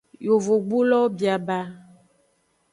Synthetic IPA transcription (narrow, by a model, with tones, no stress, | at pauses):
jo˨vo˨ɡ͡bu˦lɔ˦bi˨a˨ba˦